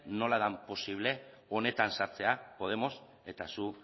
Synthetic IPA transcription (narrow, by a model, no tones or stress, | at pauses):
no̞lað̞ampo̞siβle̞ | o̞ne̞t̪ansaɾt͡se̞apo̞ð̞e̞mo̞s | e̞t̪asu